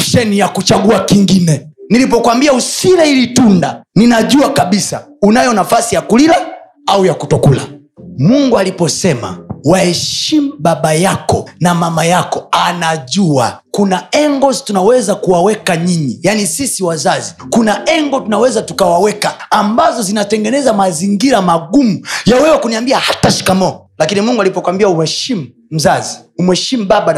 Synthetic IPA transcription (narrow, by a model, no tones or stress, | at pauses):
ʃɛnijakut͡ʃaɠuakiŋɡinɛnilipɔkwambiausilɛilitundaninaʄuakaɓisa̰ | unajɔnafasijakulila | aujakutɔkula̰ | muŋɡualipɔsɛma̰wahɛʃim̩ɓaɓajakɔ̰namamajakɔanaʄua̰kunaɛŋɡɔztunawɛzakuwawɛkaɲiɲijanisisiwazazikunaʔɛŋɡɔtunawɛzatukawawɛkaːmbazɔzinatɛŋɡɛnɛzamaziŋɡiɾamaɡumujawɛwɛkuniambiahataʃi̥kamɔ | lakinimuŋɡualipɔkwambiaumɛʃim̩ | m̩zaziumwɛʃim̩ɓaɓa